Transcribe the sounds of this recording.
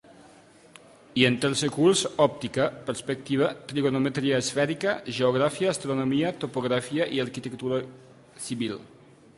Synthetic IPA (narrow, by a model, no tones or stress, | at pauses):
ient̪elsekulsɔp̚t̪ikapəɾspek̚t̪iβat̪ɾiɣonomet̪ɾiaːsfɛɾikɐʒeoɣ̞ɾafiaːst̪ɾonomiat̪opoɣɾafiaʔiaɾkit̪ekt̪uɾa | siβil